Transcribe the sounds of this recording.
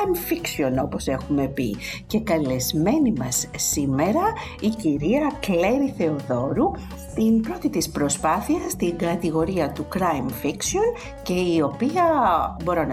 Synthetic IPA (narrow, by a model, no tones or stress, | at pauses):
mfiksio̞no̞po̞se̞xume̞pḭce̞kɐle̞zme̞nimɐsːime̞ɾɐ | iciɾiɐkle̞ɾiθe̞o̞ðo̞ɾu | t̪inpɾo̞t̪it̪ispɾo̞spɐθiɐst̪iŋɡɐt̪iɣo̞ɾiɐt̪ukɾɐjmfiksio̞n | ce̞io̞piɐbo̞ɾo̞nɐ